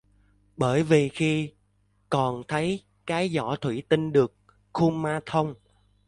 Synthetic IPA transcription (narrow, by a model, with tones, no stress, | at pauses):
ɓəː˧˩jvi˨˩xi˧ | kɔ˨˩nt̪ʰə˨˦j | kaː˨˦jzɔ˧˩t̪ʰwi˧˩t̪i˧ŋɗɨ˨˩ək̚ | xu˧maː˧t̪ʰə˧wŋ͡m